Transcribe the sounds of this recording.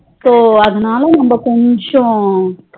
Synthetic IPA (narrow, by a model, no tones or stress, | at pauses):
soːɐd̪inaːlɐnɐmbɐkoɲt͡ʃɐ̃